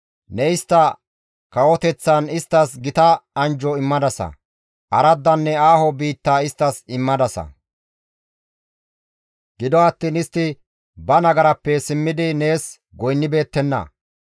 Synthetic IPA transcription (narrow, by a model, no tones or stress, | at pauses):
nɛɪst̪ːɐ | kɐwɔt̪ɛt͡sːɐnɪst̪ːɐsɡɪt̪ɐɐnd͡ʒɔɪmːɐd̪ɐsɐ̰ | ʔɐɾɐd̪ːɐnːɛaːhɔbiːt̪ːaːɪst̪ːɐsɪmːɐd̪ɐsɐ̰ | ɡ̥ɪd̪ɔɐt̪ːiːnɪst̪ːɪ | bɐnɐɡɐɾɐpːɛsɪmːɪd̪ɪne̞ːs | ɡɔjnːɪbe̞ːt̪ːɛnːɐ̰